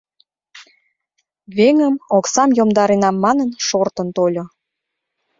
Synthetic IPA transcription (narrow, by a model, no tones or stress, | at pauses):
βeŋəmoksɑmjomd̪ɑɾenɑmːɑnənʃort̪ənt̪olʲo